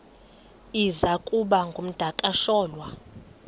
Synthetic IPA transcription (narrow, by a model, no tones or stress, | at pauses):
izakʼuɓaŋɡʱom̩d̥ʱakʼaʃɔːlwa